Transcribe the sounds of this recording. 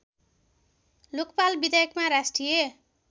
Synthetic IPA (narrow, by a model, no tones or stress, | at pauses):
lokpalbid̪ajʌkmaɾasʈije